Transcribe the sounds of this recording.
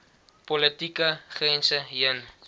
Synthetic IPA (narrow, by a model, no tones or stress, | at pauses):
polətikəχrɛnsəɦiən